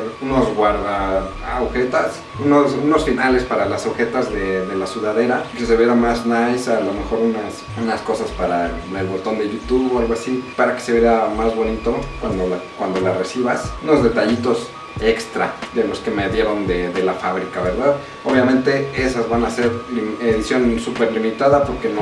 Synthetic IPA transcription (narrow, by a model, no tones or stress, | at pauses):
uno̞zɣwaɾða | a̰wxe̞t̪as | unosuno̞sfinale̞spaɾalasawxe̞t̪azðeðe̞lasjuðaðe̞ɾakese̞βjeɾamaznajsalo̞me̞xo̞ɾunas | unasko̞saspaɾaelβo̞t̪o̞nd̪e̞ʝut̪uβoalɣoasipaɾake̥se̞βjeamazβo̞nit̪o̞kwand̪olakwand̪o̞lare̞siβasuno̞zðe̞t̪aʝit̪o̞s | e̞kst̪ɾa̰ðe̞lo̞ske̞me̞ðje̞ɾo̞nd̪eðe̞lafaβ̞ɾikaβe̞ɾðað | o̞βjamẽ̞nt̪e̞e̞sazβanase̞ɾlieðisjo̞nsupe̞ɾlimit̪aðapo̞ɾke̞no